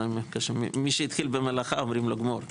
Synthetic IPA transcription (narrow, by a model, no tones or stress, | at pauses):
mkaʃmḭmiʃeit̪χilbemelaχaomʁimlo̞ɡmoɾ